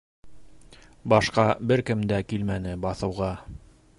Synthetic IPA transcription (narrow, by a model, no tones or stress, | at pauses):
bɑʃqɑbɘɾkɘmd̪ækilmænɘbɑθɤ̆wʁɑ